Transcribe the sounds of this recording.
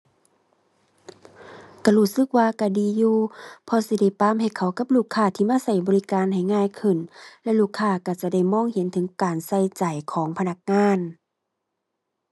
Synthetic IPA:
ka˧˩huː˧˩sɯ˧˥k̚waː˧ka˧˩diː˨juː˧pʰɔ˧si˧˦da˧˩jpaː˧˨mɦa˧˨˩jkʰa˧˩wka˧˦p̚luː˧˩kʰːaː˧˩˨t̪ʰiː˧maː˧˨sa˧˩jbɔː˨li˧kaː˨nɦa˨˩jŋaː˧˨jkʰɯ˧˩nlɛ˧luː˧˩kʰːaː˧˩ka˧˩t͡ɕa˧˩da˧˩˨jmɔː˧˥˨ŋhe˨˦nt̪ʰɯ˨˦ŋkaː˨˩nsa˧˩jt͡ɕa˨˩jkʰɔː˨˦ŋpʰa˧na˧˩k̚ŋaː˧˥˨n

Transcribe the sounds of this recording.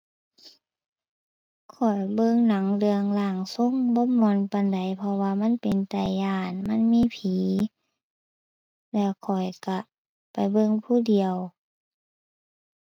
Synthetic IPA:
kʰɔ˨˩jbɤ˧˨ŋna˨˦ŋlɯ˧əŋlaː˧˩ŋso˧˥˨ŋbɔː˧˦mɔ˧˦npa˧˨nda˨˩jpʰɔ˧waː˧ma˧˥˨npe˨nt̪a˨˩jːaː˧˩nma˧˥˨nmiː˧˥˨pʰiː˨˦ | lɛː˧˩wkʰɔ˨˩jka˧˩ | pa˨˩jbɤ˧˨ŋpʰuː˧˨di˨˩əw

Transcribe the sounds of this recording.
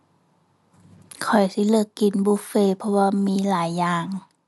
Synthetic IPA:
kʰɔ˨˩jsi˧˦lɯ˧əkːi˨˩˦nbuː˧˦feː˧˨pʰɔ˧waː˧miː˧˥˨laː˨˩˦jːaː˨˩ŋ

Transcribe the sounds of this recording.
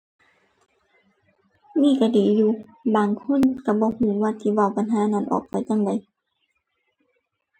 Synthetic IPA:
niː˧˥˨ka˧˩diː˨˦juː˧ | baː˨ŋkʰu˧˥˨nka˧˩bɔː˧˦huː˨˦waː˧˨t̪ʰiː˧˩wa˧˨wpa˨nɦaː˨˦na˧˩˨nʔɔ̰ː˨˩p̚pa˧˨jt͡ɕa˧˥˨ŋda˨˦j

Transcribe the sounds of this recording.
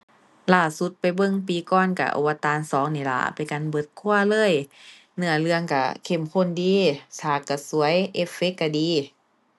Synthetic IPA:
laː˧˩su˧˦t̪̚pa˨jbɤ˧˨ŋpiː˨˧kɔː˧˩˨nka̰˧˩ʔo̰˧wa˧˦t̪aː˨˧˨nsɔː˨˦ŋniː˧˩la̰˧˩ʔpa˧˨jka˧˨nbɤ˧˦t̪̚kʰu˧˨ɐlɤː˧˥˨j | nɯ˧˩ɐlɯ˧əŋka˧˩kʰe˧˩mkʰo˧˥˨ndiː˧sʰaː˨˧˩kːa˧˩su˨˦ɐjʔe˧˥fe˧˦˥kːa˧˩diː˨˧˦

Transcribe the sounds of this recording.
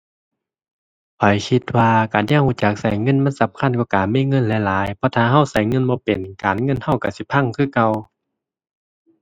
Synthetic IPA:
pʰɔ˨˦jkʰi˧t̪̚waː˧kaː˨˩nɲa˧˨ŋ̚huː˧˩˨t͡ɕa˨˩k̚sa˨˦jŋɤ˧˥˨nma˧˥˨nsa˧˦mkʰa˧˥˨nkɔ˧˩kaː˨˩miː˧˥˨ŋɤ˧˥˨nlɛ˧˩laː˨˦jpʰɔ˧t̪ʰaː˧˩ɦa˧˨wsa˨˦jŋɤ˧˥˨nbɔː˧˦pe˨nkaː˨nŋɤ˧˥˨nha˧˩wka˧˩si˧˦pʰa˧˥˨ŋkʰɯː˧˩˨ka˧˨w

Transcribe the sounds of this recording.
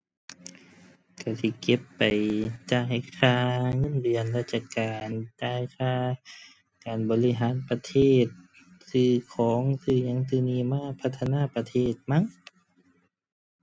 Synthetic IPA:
ka˧˩si˧˩ke˧˦pːa˨˩jt͡ɕaː˧˩ha˧˩jkʰaː˧˩ŋɤ˧˥˨nbi˨˩ənlaː˧˩t͡ɕaː˧kaː˨˩nt͡ɕaː˧˩jkʰaː˧˩ | kaː˨nbɔː˨li˧˩ɦaː˨˦npa˧t̪ʰeː˧˩t̪̚ | sɯː˧˩kʰɔː˨˦ŋsɯː˧˩ɲa˧˦ŋsɯː˧˩˨niː˧˩˨maː˧˥˨pʰa˧t̪ʰːa˧naː˧˨pa˧t̪ʰeː˧˥˩t̪̚ma˧˥˨ŋ

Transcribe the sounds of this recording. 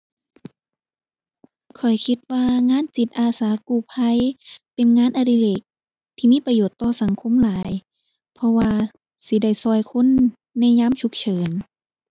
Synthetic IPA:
kʰɔ˨˩jkʰi˧t̪̚waː˧ŋaː˧˥˨nt͡ɕi˨˧˩t̪̚ʔaː˧˩saː˨˦kuː˧˩pʰa˧˥˨jpe˨nŋaː˧˥˨nʔa˧di˧˨leː˨˩k̚ | t̪ʰiː˧miː˧˥˨pa˧joː˨˩t̪ːɔː˧sa˨˦ŋkʰo˧˥˨mlaː˨˦j | pʰɔ˧waː˧ | si˧˦da˧˩jsɔː˧˩jkʰo˧˥˨nː | ɛ˧˥˨ɲaː˧˥˨mt͡ɕʰu˧˥k̚t͡ɕʰɤː˨˦n

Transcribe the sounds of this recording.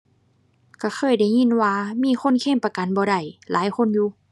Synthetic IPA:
ka˧˩xʰɤː˧˩˨jda˧˩˨jɲi˧˥˨nwaː˧miː˧˥˨xʰo˧˥˨nkʰeː˧˥˨mpa˧ka˨˦nbɔː˧˦da˧˩jlaː˨˦jkʰo˧˥˨njuː˧˦

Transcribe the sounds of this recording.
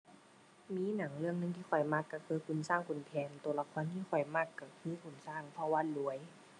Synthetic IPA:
miː˧˥˨na˨˩˦ŋlɯ˧əŋnɯ˧˨ŋt̪ʰiː˧˨ɔ˨˩jma˧˩kːa˧˩kʰɤː˧˦kʰu˧˨nsaː˧˥˩ŋkʰu˨˩npʰɛː˨˧˦nt̪u˧˦la˧kʰɔː˧˥˨nt̪ʰiː˧˥˨xʰɔ˨˩jma˧˩kːa˧˩kʰɯː˧˥˨kʰu˨˧˩nsaː˧˥˩ŋp̪ʰɔ˧waː˧˨lu˨˦əj

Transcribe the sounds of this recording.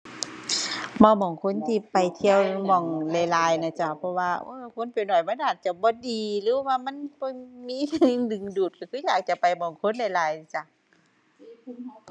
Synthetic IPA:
mɔː˧mɔː˧˩˨ŋkʰo˧˥˨nt̪ʰiː˧pa˨˩jt̪ʰi˧ə˧wmɔ˧˩ŋla˧˩jlaː˧˩jna˧˩t͡ɕa˧˩pʰɔ˧waː˧ʔoː˧˩kʰo˧˥˨npa˨˩nɔː˨˩jbaː˧˥˦nʔaː˨˩t̪̚t͡ɕa˧˩bɔː˧˦diː˨lɯː˨˦waː˧ma˧˥˨nbɔ˧˦miː˧˥˨ŋdɯ˨˩˨ŋduː˨˩t̪̚ka˧˩kʰɯː˧˥˨jaː˨˩k̚t͡ɕa˨pa˨˩jmɔ˧˩ŋkʰo˧˥˨nla˧˩jlaː˧˩jna˧˩t͡ɕa˧˩

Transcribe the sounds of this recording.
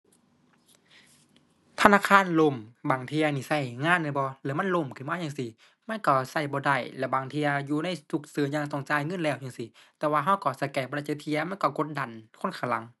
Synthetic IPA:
t̪ʰa˧naː˧˨˩kʰaː˧˥˨nlo˧˨mbaː˨˩ŋt̪ʰi˧ɐ˧niː˧˩sa˧˩jŋaː˧˥˨nːɯː˧˩˨bɔː˧lɛː˧˩˦ma˧˥˨nlo˧˩˨mkʰɯ˨maː˧˥˨jaː˧ŋsi˧ | ma˧˥˨nkɔ˧˩sa˧˩jbɔː˧da˧˩jlɛ˧˩baː˨˩ŋt̪ʰi˧ɐ˧juː˧na˧˥˨jsu˧˩k̚sɯː˨˦ɲaː˧˨ŋsɔ˧˩˨ŋt͡ɕaː˧˨jŋɤ˧˥˨nlɛː˧˨wjaː˧˨si˧˦t̪ɛː˧waː˧ɦa˧˥˨wkɔː˧˩sa˧˩jkɛː˧˩bɔː˧da˧˩˨a˧˩t̪ʰi˧ɐma˧˥˨kɔ˧˩ko˧˦t̪̚da˨nkʰo˧˥˨nkʰa˧˨la˧˦ŋ

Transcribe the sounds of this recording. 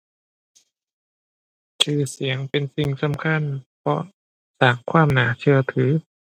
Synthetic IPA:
kʰɯː˧˩si˩˦əŋpe˧nsi˧˩ŋsa˨˦mkʰa˧˥˨npʰɔ˧˥ | saː˨˩ŋkʰwaː˧˥˩mnaː˩˦t͡ɕʰɯ˧ɐt̪ʰɯː˩˦

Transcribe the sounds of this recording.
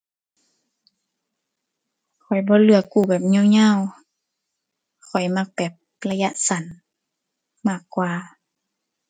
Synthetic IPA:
kʰɔ˨˩jbɔː˧˦lɯ˧˩əkːuː˧˩bɛː˨˩p̚ɲɔ˧˨wɲaː˧˨w | kʰɔ˨˩jma˧˩k̚bɛː˨˩p̚ | la˧ja˧ʔsa˨˩˦n | maː˧˩kːwaː˧

